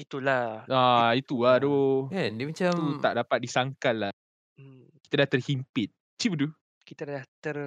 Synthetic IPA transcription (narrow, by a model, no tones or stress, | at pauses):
it̪ulaait̪uladokɛndimat͡ʃamua̰ʔdapat̪̚disaŋkalːa | ki̥t̪adaht̪ərhimpɪt̪̚ | t͡ʃipədu | kit̪adaat̪ər